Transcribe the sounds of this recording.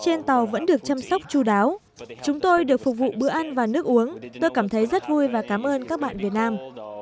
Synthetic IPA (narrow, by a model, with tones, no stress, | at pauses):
t͡ɕe˧nt̪ə˨˩wvə̰˧˥nɗɨ˨˩ək̚t͡ɕa˧msa˦˥k͡p̚t͡ɕu˧˩ɗaː˨˦w | t͡ɕʊ˨˦ŋ͡mt̪o˧jɗɨ˨˩ək̚fʊ˨˩k͡p̚vṵ˧˨ɓɨ˧˥əʔa˧nvaː˨˩nɨ˦˥ək̚ʔu˨˦əŋt̪o˧jkaː˧˩mt̪ʰə˨˦jzə˦˥t̚vu˧jvaː˨˩kaː˨˦mʔəː˧nkaː˦˥k̚ɓa̰ː˧˨nvi˨˩ət̚naː˧m